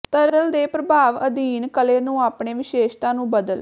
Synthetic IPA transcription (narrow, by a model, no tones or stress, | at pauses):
t̪əɾəld̪eːpɾəbʱaːʋəd̪iːnkəleːnũːaːpɳeːʋɪʃeːʃt̪ãːnũːbəd̪əl